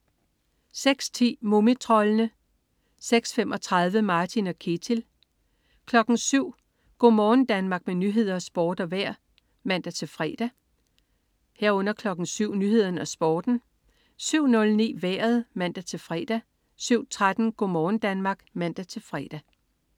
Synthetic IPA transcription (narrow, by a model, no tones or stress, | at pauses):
seɡ̥st͡sʰḭːmomit͡sʰʁɒ̽lənə | seɡ̥sfem̰ʔɒ̽t͡sʰʁað̞ˠʋəmɑ̈ːt͡sʰinɒkʰet͡sʰil | kʰlɒ̽ɡ̥n̩syʊ̰ | ɡ̥o̝̰mɒːn̩d̥ænmɑ̈ːɡ̥̚menyɦe̝ð̞̰ˠɐɒsb̥ɒːd̥ɒ̽ʋæɐ̰ | mæn̰d̥æt͡sʰe̝lfʁɛ̰d̥æ | heɐ̰ɔ̽n̰ɐkʰlɒ̽ɡ̥n̩syʊ̰nyːhe̝ð̞̰ˠɐn̩ɒsb̥ɒːd̥n̩ | syʊ̰nɔ̽lnḭːʋæɐ̰ð̞̩ˠmæn̰d̥æt͡sʰe̝lfʁɛd̥æ | syʊ̰t͡sʰʁad̥n̩ɡ̥o̝mɒːn̩d̥ænmɑ̈ːɡ̥mæn̰d̥æt͡sʰe̝lfʁɛ̰ːd̥æ